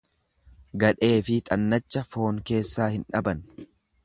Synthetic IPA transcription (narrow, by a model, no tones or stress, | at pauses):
ɡɐᶑe̞ːfɪt̪ʼɐnːɐt͡ʃːɐfo̞ːŋke̞ːsːaːhɪnᶑɐbɐn